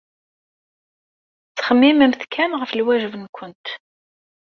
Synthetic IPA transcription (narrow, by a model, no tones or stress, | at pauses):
t͡sːχəmːiməmθkʰænʁəflwæʒəvənkʷənt̪